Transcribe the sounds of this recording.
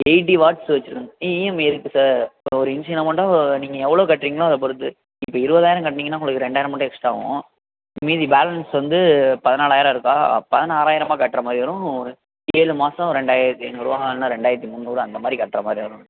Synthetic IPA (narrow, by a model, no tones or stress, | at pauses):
eɪʈ̬iʋaːʈsʋɐt͡ʃːɯɾɯkːɯŋɐiɛmɪɾɯkːɯsaːɾɔɾɯɪnsɪnɐmɐʈːɐ̃niːŋɡɐɛʋːɐɭoːkɐʈːɾiŋɡɐɭõɐðɐp̬ɔɾɯt̪ːɯ | ɪpːoːɪɾɯbɐðaːjɪɾɐ̃kɐʈːɐniːŋɡɐnːaːŋɡɐɭɐkːɯɾɛɳɖaːjɪɾɐmɐɳʈːɛkʂʈaːʋʊ̰̃ | miːðibaːlɐnsʋɐnd̪ɯpɐðɐnaːlaːjɪɾãɪɾɯkːa̰ːpɐðɐnaːɾaːjɪɾɐmaːkɐʈːɾɐmaːd̪ɾiʋɐɾʊ̃ | eːɻɯmaːsɐ̃ɾɛɳɖaːjɪɾɐt̪ːiɛnːʋɐɾɯʋaːnãːɾɛɳɖaːɪɾɐt̪ːimʊnːuːɾɯ̃ɐnd̪ɐmaːd̪ɾikɐʈːɾɐmaːd̪ɾiʋɐɾʊ̃